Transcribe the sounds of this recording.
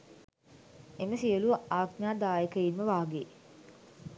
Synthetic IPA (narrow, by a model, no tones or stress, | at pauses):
eməsiəluʋʔaːɡ̪ɲaːd̪aːjekəjimːəʋaːɡe